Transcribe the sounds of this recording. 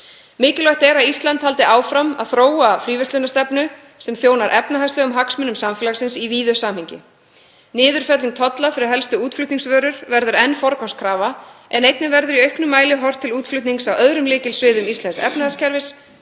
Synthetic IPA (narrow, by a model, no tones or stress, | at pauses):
mɪːcɪlɔht̪ɛɾaist̪lant̪hal̪t̪ɪʔaːwfɾama̰ðθɾoːwafɾiːvɛst̪ʏnast̪ɛpnʏ | sɛmθjoːwnaɾʔɛpnaɦast̪ʏɣʏmɦaksmʏnʏmsamfɪːlasɪnsiviːðʏsaːmhɪɲcɪ̰ | nɪːðʏɾ̥fɛt̪liŋ̚t̪ʰɔt̪lafɪɾɪɾɦɛlst̪ʏuːt̪flʏht̪niŋsvœːɾʏɾvɛɾðʏɾɛnːfɔɾkɔwskʰɾaːvaʔɛnejt̪nɪvɛɾðʏɾiœɥhknʏmːaːjlɪɦɔr̥t̪ʰːɪluːt̪flʏt̪niŋksawʔœðɾʏmlɪːcɪlsvɪːðʏmist̪ɛnsɛ̰pnahascʰɛɾvɪs